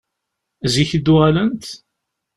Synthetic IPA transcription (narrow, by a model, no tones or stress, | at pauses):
ziçəd̪ʊʁælənt̪